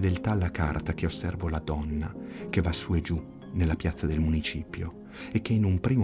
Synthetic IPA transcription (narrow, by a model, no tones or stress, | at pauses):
d̪elt̪aːlːaka̰rt̪ak̟eosːɛrvolad̪ɔnːakevasːuːed͡ʒu | nelːapjat̪sːad̪elmunit͡ʃiːpjo | ekːeinumpɾiːm